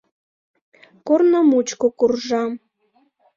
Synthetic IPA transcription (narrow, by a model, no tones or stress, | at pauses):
kornəmut͡ɕkokurʒɑm